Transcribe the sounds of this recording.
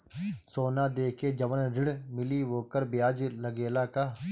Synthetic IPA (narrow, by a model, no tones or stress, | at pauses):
soːnaːd̪eːkeːd͡ʒəʋənɾɪɽmɪliːʋoːkəɾbɪjaːd͡ʒləɡeːlaːkaː